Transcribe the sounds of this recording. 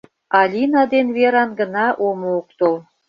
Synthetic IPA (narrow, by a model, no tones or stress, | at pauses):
ɑlʲinɑd̪enβeɾɑnɡə̆nɑʔomook̚t̪ol